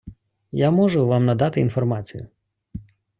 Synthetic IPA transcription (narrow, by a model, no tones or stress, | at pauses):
jamɔʒʊʋɑmnɐd̪ɑt̪ɪinfɔrmɑt͡sʲijʊ